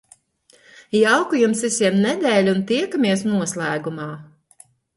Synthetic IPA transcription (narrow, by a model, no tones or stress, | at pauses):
jawkujumsisiɛmnɛd̪ʲɛːlʲunt̪iɛkamʲiɛsnuɔslˠæːɡumaː